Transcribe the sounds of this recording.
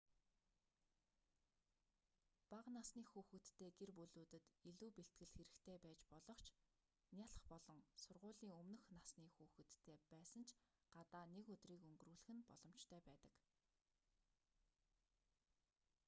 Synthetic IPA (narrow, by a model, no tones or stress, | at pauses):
paqnasniːxuːxɘ̆t̪ːeːɡerpɵɮuːt̪ɘ̆t̪iɮuːpeɬt̪̚ɡɘ̆ɮxeɾɘ̆xt̪ʰeːpæːt͡ɕpɔɮɞ̆χt͡ɕʰ | nʲjaɮə̆χpɔɮɞ̆ŋsʊrʁʊːɮiːŋɵmnɵ̆xnasniːxuːxɘ̆t̪ːʰeːpæːsə̆nt͡ɕʰ | ɢ̥at̪aːnekɵt̪riːkɵŋɡɵ̆ruːɮɘ̆xɘ̆npɔ̰ɮ̥ɞ̆m̥t͡ɕt̪ʰœːpæːt̪ə̆k